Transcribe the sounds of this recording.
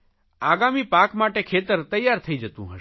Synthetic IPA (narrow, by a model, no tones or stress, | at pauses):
aːɡaːmipaːkmaːʈekʰeːt̪əɾt̪ɐjːaːɾt̪ʰəid͡ʒət̪ṵ̃ɦə